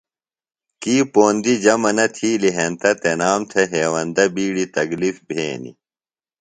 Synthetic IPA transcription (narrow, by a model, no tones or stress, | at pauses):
kiːpoːnd̪id͡ʑɐmɐnɐt̪ʰiːliɦent̪ɐt̪enaːmt̪ʰeɦeːwɐnd̪ɐbiːɽit̪ɐɡlifbʱeːnḭ